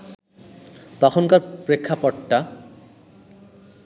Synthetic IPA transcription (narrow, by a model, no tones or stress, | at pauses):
t̪ɔkʰonkaɾpɾekʰːapɔʈːa